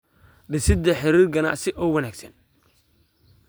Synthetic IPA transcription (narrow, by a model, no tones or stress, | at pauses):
ɖɪsɪd̪ɐħɪɾiːrɡɐna̰ʔsɪʔɔwɐnaːɡsɐn